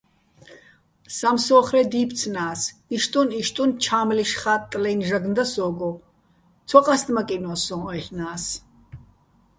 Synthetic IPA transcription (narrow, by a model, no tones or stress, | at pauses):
samsɔːχɾɛd̪iːp̪ʰt͡sʰnaːsiʃt̪ʼuniʃt̪ʼunt͡ʃʰaːmliʃχatt̪ʼːlɛjnʒaɡnd̪asɔːɡɔ | t̪t͡sʰɔqʼasd̪makʼinɔsɔ̃ɔɛɬnaːs